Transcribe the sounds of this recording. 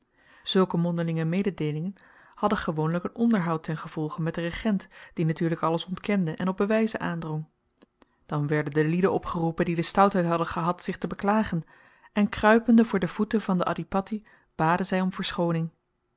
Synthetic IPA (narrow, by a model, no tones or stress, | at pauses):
z̥ɵlˠkəmɔndəlɪŋəmejdədejlɪŋən | hɑdəχəʋownləkənʔɔndəɹɦɑwtɛnχəv̥ɔlˠχəmɛt̚dərəχɛntd̥inatyːɹləkɑləsɔntkɛndəʔɛnɔb̚bəʋɛjzənʔaːndrɔŋ | d̥ɑnʋɛɹdəndəlidənɔpχərupəndidəstɑwtɦɛjtɦɑdənχəɦɑtsɪχtəbəklaːχən | ɛnkrœɥpəndəvʊːɹdəv̥utəvɑndəʔɑ̰dipɑti | b̥aːdənzɛjɔmvəɹsχownɪŋ